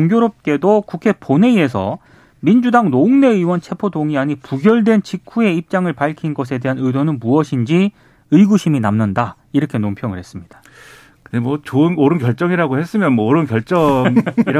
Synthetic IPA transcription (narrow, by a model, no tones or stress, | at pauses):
oŋɡjoɾop̚k͈e̞dokukʰe̞pone̞ie̞sʰʌ̰ | mind͡ʑudaŋnoŋne̞ɯwʌnt͡ɕʰe̞pʰodoŋiaɲipuɡjʌɭdwe̞nt͡ɕikʰue̞ip̚t͡ɕ͈aŋɯɭpaɭkʰinɡʌsʰe̞de̞ɦanɯdonɯnmuʌɕʰind͡ʑi | ɯiɡuɕʰiminamnɯnda | iɾʌkʰe̞nompʰjʌŋɯɭhe̞s͈ɯmɲid̥ḁ | kɯndemwʌt͡ɕoɯnoɾɯnkjʌɭt͡ɕ͈ʌŋiɾaɡohe̞s͈ɯmjʌnmʌoɾɯnkjʌɭt͡ɕ͈ʌŋiɾa